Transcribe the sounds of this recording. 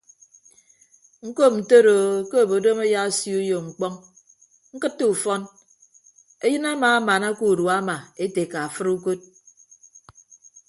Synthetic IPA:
ŋ̩˦ko˦m̩˨to˦ɾo˨ke˦˨bo˨do˦me˦ja˦sju˦jo˨ŋ͡m̩˨k͡pɔ˦ŋ | ŋ̩˦kɨ˦tːo˦u˨fɔ˦n | e˦jɨ˦na˦maː˨a˦ma˨na˦ku˨ɾu˨a˦ma˨e˦te˨ka˨a˨fɨ˦ɾu˦ko˦t̚

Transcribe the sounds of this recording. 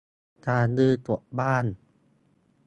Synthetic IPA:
t̪aː˧˩nɯː˧˥˩t̪u˨˩˨ʔbaː˥˩˨n

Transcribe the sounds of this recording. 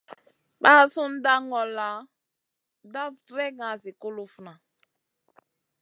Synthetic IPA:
ɓa˦˨su˦n̩˦da˦ŋɔ˨la˨ | da˦vtɾɛ˦ɡã˨zi˨ko˦lo˦fu˨na˨

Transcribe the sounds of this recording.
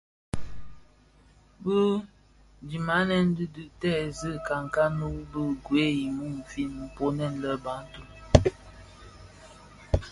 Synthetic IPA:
bə˦ | d͡ʒi˨ma˨˦nɛ˦n˦dɨ˦dʉ˨ʔtɛ˦˨zɨ˦ka˨ŋ˨ka˦nu˦bə˦ɡwe˦ji˨mu˦m̩˨fi˦nm̩˨po˦nɛ˦˨n˨lə˦˨ba˨˦n̩˦tu˦˨

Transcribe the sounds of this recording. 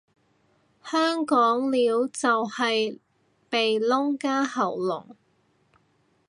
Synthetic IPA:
hœː˥ŋkɔː˨˥ŋliː˨˧˥wt͡sɐ˨whɐ˨j | pe˨jlʊ˥ŋkaː˥hɐ˨˩wlʊ̰˨˩ŋ

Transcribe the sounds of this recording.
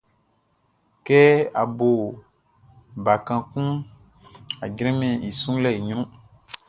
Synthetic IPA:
kɛ˦a˨bo˨ | ba˨kã˨kũ˦ | a˨d͡ʒɾɛ̃˦mɛ̃˨i˨sũ˦lɛ˦˨i˨ɲɾ̃ũ˦

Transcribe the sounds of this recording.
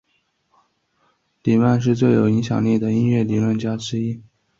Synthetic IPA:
li˨˩wa˥˧nʂ̬ɻ̩˥˧t͡swe˥˩ɪjo˨˩ʊi˧˥ŋɕjɑ̰˨˩ŋli˥˩d̪ə˩i˥nɥɛ˥˩li˨˩lwə˥˩nt͡ɕja˥ʈ͡ʂɻ̩˥i˥

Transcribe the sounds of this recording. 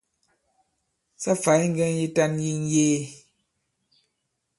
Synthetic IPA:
sa˦fa˨˦ŋ̩˦ɡɛ˦ŋ˦ji˦ta˦nji˦n˦jeː˦

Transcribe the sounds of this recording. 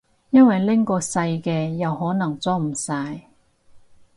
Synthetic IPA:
jɐ˥nwɐ˨jlɪ˥ŋkɔː˧sɐ˧jkɛː˧jɐ˨wɦɔː˨˥nɐ˨˩ŋt͡sɔː˥m̩˨˩saː˧j

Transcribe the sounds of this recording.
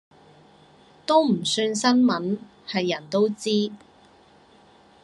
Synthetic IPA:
t̪o˥wm̩˨˩syː˧nsɐ˥nmɐ˨˥n | hɐ˨jːɐ˨˩nt̪o˥wt͡siː˥

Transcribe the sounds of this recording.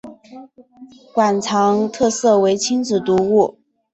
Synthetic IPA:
kwa˨˩nt͡sʰɑ˧˥ŋt̪ʰɤ˥˧sɤ˥˩we˧˥ɪt͡ɕʰi˥ŋt͡sɹ̩˨˩t̪u˧˥u˥˩

